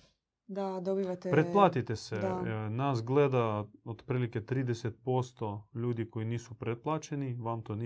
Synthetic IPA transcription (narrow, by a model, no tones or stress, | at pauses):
d̪ad̪obiʋat̪epɾeplˠaːt̪it̪esed̪anaːsɡled̪aod̪pɾiːliket̪ɾiːd̪eset̪̚po̞st̪o̞ʎuːd̪iko̞jiniːsupɾet̪̚plˠaːt͡ʃeniʋamt̪oni